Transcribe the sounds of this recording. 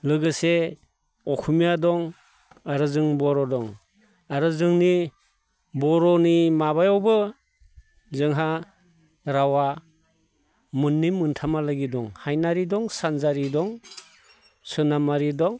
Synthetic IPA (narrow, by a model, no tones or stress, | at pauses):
lɯɡɯse | ɔkʰumijadɔŋ | aɾɯzɯŋbɔɾɔdɔŋ | aɾɯzɯŋni | bɔɾɔnimaβajɔwbɯ | zɯŋɦa | ɾawa | mɯnːimɯntʰamalaɡidɔŋhajnaɾidɔŋsanzaɾidɔŋ | sɯnamaɾidɔŋ